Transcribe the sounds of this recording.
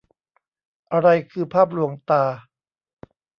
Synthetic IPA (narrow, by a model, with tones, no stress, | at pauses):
ʔa˧ɾa˧jkʰɯː˧pʰaː˥˩p̬̚lu˧˦əŋt̪aː˧